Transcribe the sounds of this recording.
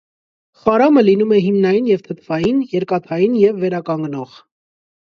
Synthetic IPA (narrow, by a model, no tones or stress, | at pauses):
χɑɾɑməlinumɛɦimnɑjinjɛvt̪ʰət̪ʰvɑjinjɛɾkɑt̪ʰɑjinjɛvːɛɾɑkɑŋɡnɔʁ